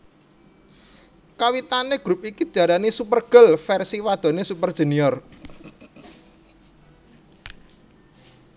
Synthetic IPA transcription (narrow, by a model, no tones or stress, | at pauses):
kawit̪aneɡ̥ɾup̚ikid̪̥i̤aɾanisupərɡ̥əlfɛrsiwad̪̥ɔ̤nesupərd̥ʒ̥ə̤niɔr